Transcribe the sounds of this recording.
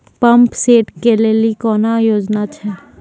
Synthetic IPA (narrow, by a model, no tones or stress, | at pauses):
pɐmpseːʈkelelikɔːnajoːd͡ʒnat͡ʃʰɛː